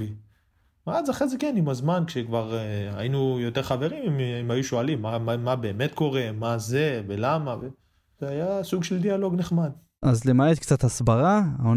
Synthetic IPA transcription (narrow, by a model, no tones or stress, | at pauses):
i | maazaχezekenimazmankʃekvaʁajinujo̞t̪eʁχave̞ʁimimimajuʃoalimːamamabe̞ːme̞t̪ko̞ʁe̞maze̞velamave | z̥eajasuɡʃeld̪ialo̞ɡneχmad̪̚ | ʔazlemaet̪kt͡sat̪hasbaʁaaon